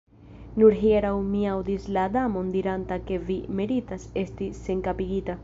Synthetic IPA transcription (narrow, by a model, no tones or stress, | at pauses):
nuɾɦieɾawmiawd̪islad̪amo̞nd̪iɾantake̞vimeɾitase̞stise̞ŋkapiɡita